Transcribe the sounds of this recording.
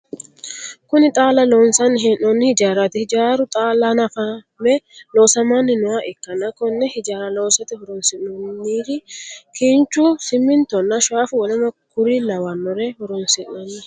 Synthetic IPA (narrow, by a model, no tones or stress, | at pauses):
kʊnɪt̪ʼaːlɐloːnsɐnɦɛnːɔnːɪhɪd͡ʒaːɾɐt̪ɪhɪd͡ʒaːɾʊt̪ʼaːlɐnɐfɐ | mɛloːsɐmaːnːɪnʊwaʔɪkːɐnɐkɔnːɛhɪd͡ʒaːɾɐlo̞ːsɐt̪ɪhʊɾɔnsɪʔɔnːiːɾɪkʰiːnt͡ʃːusɪmːɪnt̪ɔnːɐʃaːfʊwɐlɐnɐkʊɾilɐwɐnːɔɾɛhɔɾɔnsɪnːɐnːɛ